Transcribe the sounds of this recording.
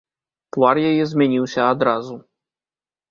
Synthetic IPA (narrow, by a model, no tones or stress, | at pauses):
t̪varjajɛzʲmʲanʲiwsʲɐad̪ɾazu